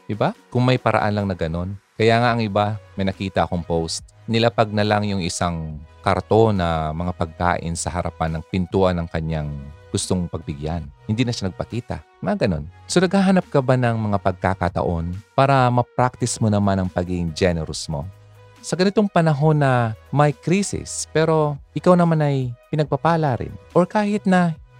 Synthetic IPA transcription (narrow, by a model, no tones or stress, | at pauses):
d̪ɪbakʊŋmɐjpɐɾʔɐ̰ʔa̰nlɐŋnɐɡɐno̞nkɐjaːŋaʔɐŋʔɪbamɐjnɐkiːt̪ɐʔɐko̞ŋpowst̪̚ | nɪlapɐɡ̚nɐlaŋjʊŋɪsaŋkɐ̰ɾt̪o̞nɐmɐŋapɐɡ̚ka̰ːʔɪ̰nsɐɦɐɾɐ̰panːɐŋpɪnt̪uːʔɐnɐŋkɐɲːaŋɡ̥ʊst̪oŋpɐɡ̚bpɪɡjanhɪnd̪iːnɐʃanɐɡ̚pɐkiːt̪ɐ̰ | mɐŋaɡɐno̞̰nso̞nɐɡ̚haːɦɐnap̚kɐbanɐŋmɐŋapɐɡ̚kakɐt̪ɐ̰ʔo̞npaːɾɐmɐpɾak̚t̪ɪsmonɐmanɐŋpɐɡiɡɪŋd͡ʒɛnɛɾosmo̞̰ | sɐɡɐnɪt̪o̞ŋpɐnɐɦo̞nːɐmɐjkɾiːsɪ̰spɛːɾo̞ʔɪkawnɐmanɐjpɪnɐɡ̚pɐpaːlaɾɪ̰nʔoɹkaːhɪt̪̚nɐ